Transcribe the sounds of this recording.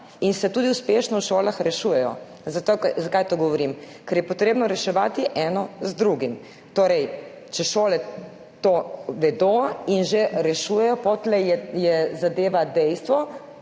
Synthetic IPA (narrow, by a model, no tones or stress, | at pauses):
insɛt̪uːd̪iuspeːʃnɔwʃoːlaxɾɛʃujɛjɔ̰ | zat̪ozakaːjt̪oɡɔʋɔɾim | kɛɾjɛpɔt̪ɾeːbnɔɾɛʃɛʋaːt̪iʔɛːnɔzd̪ɾuɡim | t̪oːɾɛj | t͡ʃɛʃoːlɛ | t̪oːʋɛd̪oːinʒeɾɛʃuːjɛjɔpot̪lɛjɛjɛzad̪eːʋad̪ɛjst̪ʋɔ